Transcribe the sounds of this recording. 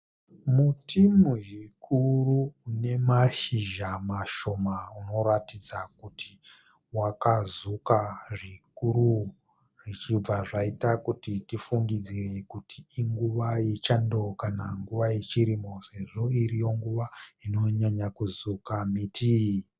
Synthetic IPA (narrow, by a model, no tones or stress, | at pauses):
mutʰimuʒikʰuruːne̞maʃiʒamaʃo̞mauno̞ɾatid͡zakutʰi̥ | wakazukaʐikuɾu | ʐ̥it͡ʃib͡vaʐaitakutitifuŋɡid͡zire̞kutʰiiŋɡuʋajet͡ʃando̞kanaŋɡuʋajet͡ʃiɾimo̞se̞ʐo̞iɾijo̞ŋɡuʋaino̞ɲaɲakuzukamitʰi